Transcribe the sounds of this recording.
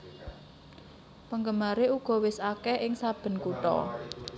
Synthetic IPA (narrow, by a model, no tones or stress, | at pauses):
pəŋɡəmaɾeuɡ̥ɔ̤wɪsakɛʔɪŋsab̥ə̤nkuʈɔ̰